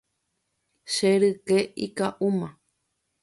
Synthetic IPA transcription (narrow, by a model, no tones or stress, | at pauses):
ʃeɾɨkeikaʔumã